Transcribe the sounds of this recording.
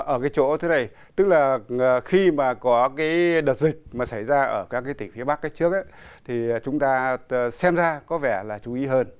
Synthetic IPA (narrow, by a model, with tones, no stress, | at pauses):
ʔəː˧˩kaː˨˦jt͡ɕo̰˧˥t̪ʰe˨˦na˨˩j | t̪ɨ˦˥k̚laː˨˩˨xi˧maː˨˩kɔ˨˦kaː˨˦jɗə˨˩t̚zï˨˩k̟̚maː˨˩sa˧˩jzaː˧ʔəː˧˩kaː˦˥kːaː˨˦jt̪ï˧˩ŋ̟fi˨˦əɓa˦˥kːaː˨˦jt͡ɕɨ˦˥ək̚ʔa˨˦jt̪ʰi˨˩˨t͡ɕʊ˨˦ŋ͡mt̪aː˧sɛ˧mzaː˧kɔ˨˦vɛ˧˩laː˨˩t͡ɕu˨˦ʔi˨˦ɦəː˧n